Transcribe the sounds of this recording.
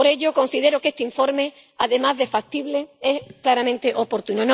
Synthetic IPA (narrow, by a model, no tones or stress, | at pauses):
poɾe̞ʎoko̞nsið̞e̞ɾoke̞st̪eiɱfo̞ɾme | aðe̞mazðe̞fak̚t̪iβleesklaɾamẽnt̪eʔopo̞ɾt̪unon